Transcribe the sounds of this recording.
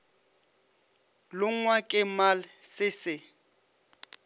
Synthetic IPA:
lʊŋ̩ŋwakʼɪmalɪsɪsɪ

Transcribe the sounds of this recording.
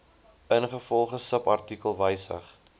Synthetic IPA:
ənχəfɔlˠχəsəpɐrtikəlˠvəjsə̰χ

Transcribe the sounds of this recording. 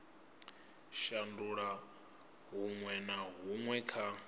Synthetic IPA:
ʃanduɺa | ɦuŋwɛnaɦuŋwɛkʰa

